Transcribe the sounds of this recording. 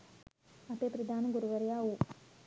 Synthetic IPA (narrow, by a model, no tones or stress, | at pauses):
ɐteprɐd̪ʱaːnɐɡuɾuʋɐɾɐjaːwu